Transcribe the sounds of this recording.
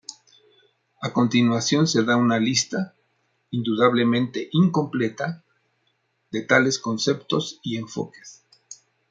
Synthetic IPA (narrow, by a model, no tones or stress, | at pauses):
ako̞nt̪inwasjo̞nse̞ðaunalist̪a | ind̪uðaβle̞mẽ̞nt̪e̞ʔiŋko̞mple̞t̪a | ðe̞t̪ale̞sko̞nse̞pt̪o̞sie̞ɱfo̞̰ke̥s